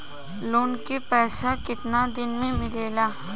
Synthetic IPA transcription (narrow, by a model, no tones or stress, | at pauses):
loːnkepɛːʃakɪt̪nad̪ɪnmẽmɪleːlaː